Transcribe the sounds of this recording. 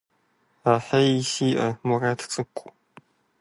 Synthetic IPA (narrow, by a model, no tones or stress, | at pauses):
aːħɐjisiːʔɐmɔraːtʰt͡sʼɨkʷʼʊ